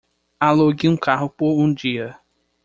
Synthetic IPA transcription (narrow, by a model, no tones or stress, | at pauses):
aloɡiũkaɦʊpoɾũd͡ʒiɐ